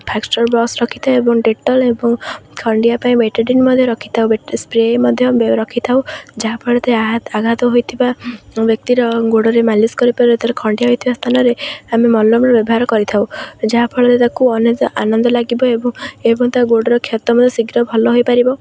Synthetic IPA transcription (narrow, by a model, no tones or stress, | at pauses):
pʰaksʈɔɾbɔksɾɔkʰi̥t̪ʰaebɔŋɖeʈɔlebɔŋkʰɔɳɖijapaĩbeʈaɖinmɔd̪ʱjɔɾɔkʰi̥t̪ʰawbespɾemɔd̪ʱjɔɾɔkʰit̪ʰawd͡ʒaɦapʰɔɭɔt̪eaɦat̪aɡʱat̪ɔɦojt̪ʰibabjɔk̚t̪iɾɔɡoɽɔɾemaliskɔɾipaɾibɔt̪aɾekʰɔɳɖijaɦojt̪ʰibast̪ʰanɔɾeamemɔlːɔmɾɔbjɔbɔɦaɾɔkɔɾit̪ʰawd͡ʒaɦapʰɔɭɔt̪et̪akuɔnet̪ʔanɔnd̪ɔlaɡibɔebɔŋebɔŋt̪aɡoɽɔɾɔkʰjat̪ɔmɔd̪ʱjɔsiɡɾɔbʱɔlɔɦojpaɾibɔ